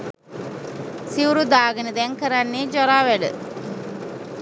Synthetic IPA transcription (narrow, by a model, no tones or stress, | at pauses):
siwuɾud̪aːɡənəd̪ɛŋkəɾanːed͡ʒɔɾaːʋɛɖə̰